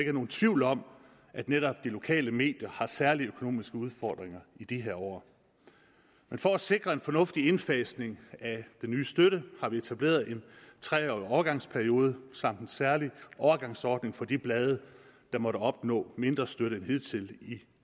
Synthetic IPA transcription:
eɡ̥ɐæno̝ːn̩t͡sʰʋiʊ̰lɒ̽m̰ | ʔæd̥neɾɒ̽b̥̚d̥ilo̝kʰɛ̰ːləme̝̰ːd̥jɐhɑ̈sæɐliøkʰo̝no̝̰ːmisɡ̥əuð̞ˠfɒːd̥ʁeŋɐid̥iɦeɐ̰ɒ̰ː | menfɒ̽æse̝ɡ̥ʁɐe̝nfɒ̽nɔ̽fd̥ie̝nfɛsne̝ŋæd̥enːyːsd̥øɾəhɑ̈ʋie̝t͡sʰæb̥le̝̰ːɐðˠe̝nt͡sʰʁɛ̰ɒɒːʊɐɡ̥ɑ̈ŋ̰spʰæɐio̝ːð̞ˠəsɑ̈m̰d̥en̩sæɐliʔɒɐɡ̥ɑ̈ŋsɒːd̥ne̝ŋfɒ̽d̥ib̥lɛːð̞ˠəd̥ɑ̈mɒ̽ɾəɒ̽b̥nɔ̰̽ːme̝nd̥ʁɐsd̥øɾəenɦe̝ð̰ˠt͡sʰe̝li

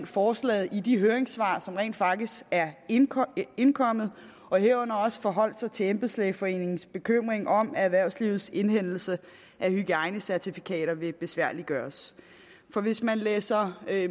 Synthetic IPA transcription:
nfɒːslɛ̰ːð̩ˠid̥iɦøːɐeŋsʋɑ̰̈ːsɒ̽mʁɛ̰ːnd̥fɑ̈ɡ̥d̥isæɐ | e̝nkʰɒ̽m̰ð̩ˠ | ɒ̽ɦeɐɔ̽n̰ɐɒ̽sə̥fɒ̽ɦɒ̽l̰d̥sɑ̈ɪt͡sʰe̝emb̥̩ˠsleːfɒ̽e̝̰ːne̝ŋn̩sb̥e̝kʰøm̰ʁeŋʔɒ̽mææðˠʋæɐʊ̰sliːʊð̩ˠse̝nhen̰l̩sə | ʔæhyɡ̥əɑ̈ɪnəsæɐt͡sʰifikʰɛ̰ːɾ̥ɐʋe̝b̥e̝sʋæɐ̰liɡ̥ɶːɐs | fɒ̽ʋe̝smænleːsɐ

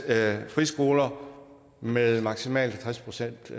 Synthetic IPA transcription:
fʁisɡ̥o̝ːlɐ | meðˠmɑ̈ɡ̥simɛ̰ːld̥t͡sʰʁaspʰʁo̝sen̰d̥

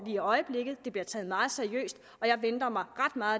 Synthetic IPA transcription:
ʋiɒ̽ɪəb̥le̝ɡ̥ð̩ˠd̥e̝b̥liɐt͡sʰɛːð̞̩ˠmɑ̈ːð̞̩ˠseɐijø̰ːsd̥ | ɒ̽jɑ̈ɪʋend̥ɐmɑ̈ɪʁɑ̈d̥mɑ̈ːð̩ˠ

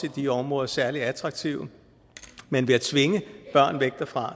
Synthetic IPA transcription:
ed̥iɒ̽mʁɔ̽ːðˠɐsæɐliæt͡sʰʁɑ̈ɡ̥̚t͡sʰiʊ | menʋe̝æt͡sʰʋe̝ŋəb̥ɶɐ̰nʋeɡ̥̚d̥ɐfʁɑ̈

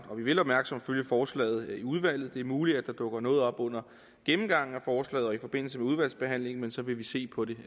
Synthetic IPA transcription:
ɒ̽ʋiʋe̝lɒb̥mæɐɡ̥sɒ̽m̰føljəfɒːslɛ̰ːð̩ˠiuð̞ˠʋæl̰ð̞̩ˠd̥e̝æɐmuːliæd̥ɑ̈d̥ɔ̽ɡ̥ɐnɔ̽ːð̞̩ˠɒ̽b̥ɔ̽n̰ɐ | ɡ̥emm̩ɡ̥ɑ̈ŋ̰n̩æfɒːslɛ̰ːð̩ˠɒ̽ifɒ̽b̥e̝n̰l̩səmeuð̞ˠʋæl̰sb̥e̝ɦæn̰le̝ŋ̩mensɒ̽ʋe̝ʋise̝̰ːpʰɒ̽de̝

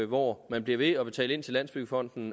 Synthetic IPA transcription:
ʋɒmænb̥liɐʋe̝ɒ̽b̥e̝t͡sʰɛ̰ːle̝n̰t͡sʰe̝læn̰sb̥yɡ̥əfɒ̽n̰d̥n̩

